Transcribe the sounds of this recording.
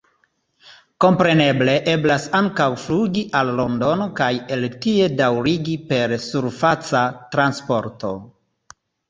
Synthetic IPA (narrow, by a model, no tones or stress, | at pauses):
ko̞mpɾe̞ne̞ble̞ʔe̞blasaŋkawfluɡiʔalːo̞ndo̞nokaje̞ltie̞dawɾiɡipe̞ɾsuɾfat͡satɾanspo̞ɾto̞̰